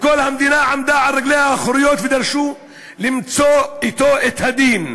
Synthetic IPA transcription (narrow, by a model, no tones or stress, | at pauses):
kolhamd̪inaʕamd̪aʕalːaɡlehaχɾijot̪ved̪ɐɾʃu | limt͡soit̪oʔet̪had̪in